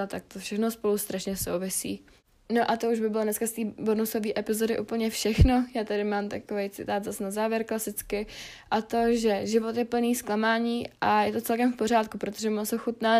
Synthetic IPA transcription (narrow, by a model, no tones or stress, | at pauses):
at̪ak̚t̪ofʃɛxnospo̞lust̪ɾaʃɲɛso̰wvɪsḭː | no̞ʔat̪o̞uʒbɪbɪlodnɛskast̪iːbonuso̞viːʔɛpɪzo̞dɪʔuːpl̩ɲɛfʃɛxno̞jaːt̪adɪmaːmt̪a̰kovejt͡sɪ̰t̪aːd̪zasnazaːvjɛɾklasɪt͡skɪ | ʔat̪o̞ʒɛʒɪvot̪jɛpl̩niːsklamaːɲiːʔajɛt̪o̞t͡sɛlkɛmfpo̞ɾ̝aːt̪̚kupɾot̪oʒɛmosoxut̪naː